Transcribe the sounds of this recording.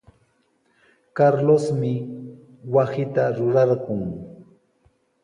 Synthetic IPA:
kaɾlosmɪ | wasɪt̪aɾʊɾɑɾɢʊŋ

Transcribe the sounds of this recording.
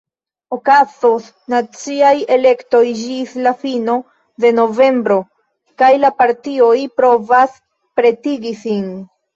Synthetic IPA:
o̞kazos | nat͡siaje̞le̞kto̞jd͡ʒislafino̞ | de̞no̞ve̞mbɾo̞ | kajlapaɾtio̞jpɾo̞vas | pɾe̞tiɡisin

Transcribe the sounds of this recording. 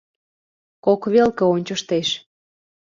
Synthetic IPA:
kokβelkə̆onʲt͡ɕəʃt̪eʃ

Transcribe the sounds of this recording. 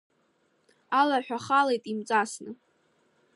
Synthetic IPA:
alarħʷᶣaχale̞jtʼimt͡sʼasnɨ

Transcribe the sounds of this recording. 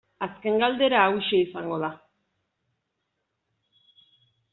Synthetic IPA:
aske̞ŋɡald̪e̞ɾaːwiʃeisaŋɡo̞ð̞a

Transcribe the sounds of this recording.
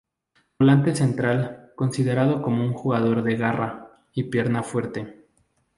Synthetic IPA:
olant̪e̞se̞nt̪ɾalko̞nsiðe̞ɾað̞o̞ko̞mo̞uŋxuɣað̞o̞ɾðe̞ɣara | ipje̞ɾnafwe̞ɾt̪e̞

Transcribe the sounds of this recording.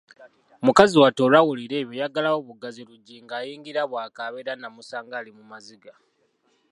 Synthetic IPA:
omukaziwato̞lawuliɾe̞ːβjojaɡalawoβuɡaziluɟiŋɡaːjiːŋɡiɾaβwaːkaβeɾanamusaːŋɡalimumaziɡa

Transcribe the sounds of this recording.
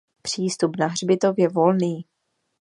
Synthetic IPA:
pr̝̥iːst̪upnaɦr̝bɪt̪o̞vjɛvo̞lniː

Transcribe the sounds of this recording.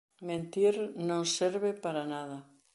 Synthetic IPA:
mẽnt̪iɾnõŋseɾβɪpaɾanaðɐ

